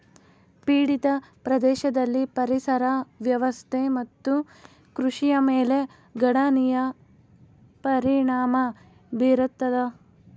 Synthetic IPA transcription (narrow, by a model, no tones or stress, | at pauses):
piːɽit̪ɐpɾɐd̪ɛːʃɐd̪ɐlːipɐɾisɐɾɐʋjɐʋɐst̪ʰemɐt̪ːu | kɾuʂijɐmeːle̞ | ɡɐɽɐnijɐ | pɐɾiɳaːmɐ | biɾut̪ːɐd̪ɐ